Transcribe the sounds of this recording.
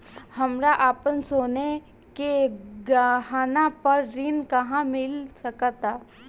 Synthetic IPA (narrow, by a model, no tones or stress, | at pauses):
hɐmɾaʔaːpənsoːne | keɡɦaːnapɐɾːɪnkɐɦãmɪlsɐkət̪aː